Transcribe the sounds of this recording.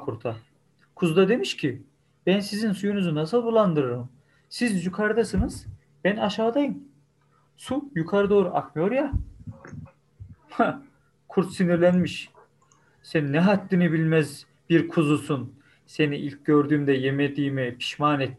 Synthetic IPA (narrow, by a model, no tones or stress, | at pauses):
kʰuɾt̪ʰa | kʰuzd̪ad̪e̞miʃcʰi | b̥ænsizinsujunyzunasɯlˠbulˠand̪ɯɾɯɾɯm | sizjukʰaɾd̪asɯnɯz̥ | b̥ænaʃaːd̪ajɯm | sujukʰaɾɯd̪o̞ːɾuʔakmɯjo̞ɾja | ha | kʰuɾt̪siniɾlʲænmiʃ | sɛnːɛɦat̪ːinibilʲmɛz | biɾkʰuzusun | se̞niʔilʲcɟø̞ɾd̪yːmd̪ɛjemed̪iːmipʰi̥ʃmaːnɛt̪ː